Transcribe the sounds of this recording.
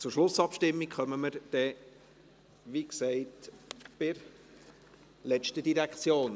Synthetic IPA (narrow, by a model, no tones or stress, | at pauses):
t͡suɾʃlʊsɑpʃtɪmːikχœməməɾd̥ɛ | ʋiksɛɪtb̥ɪɾ | lɛt͡ʃtədiɾækt͡sjoːn